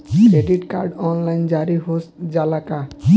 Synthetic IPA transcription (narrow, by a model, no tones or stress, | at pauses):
kɾeɖiʈka̰ɾɖɔnlajnd͡ʒaɾiɦosʈd͡ʒalaka